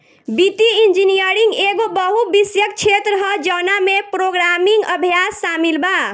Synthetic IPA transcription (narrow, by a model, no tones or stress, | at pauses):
bit̪iind͡ʒinijəɾiŋɡeɡobəɦubisjək̚t͡ʃʰet̪ɾəɦəd͡ʒənamepɾoɡɾamiŋɡəbʱijasːamilba